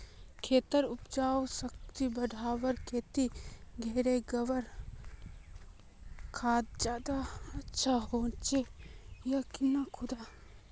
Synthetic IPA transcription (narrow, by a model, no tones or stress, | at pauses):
kʰeːt̪əɾʊpd͡ʒaːwsək̚t̪ibɐɖʱaːwəɾkʰeːt̪iɡʱeːɾeɡɐʋəɾ | kʰaːd̪̚d͡ʒjaːd̪aɐtːʃʰaɦoːt͡ʃejakɪnakʰʊd̪aː